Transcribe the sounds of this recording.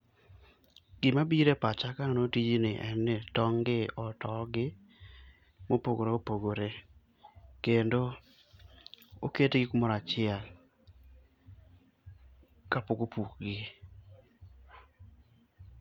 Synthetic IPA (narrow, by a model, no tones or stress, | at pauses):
ɡ̥ɪmabiɾepat͡ʃakanotid͡ʒinɪʔɛnːetɔŋɡɪɔtɔɡɪ | mopoɡoɾeopoɡoɾe | kendo | oketeɡɪkumɔɾat͡ʃɪɛl | kapokopukɡɪ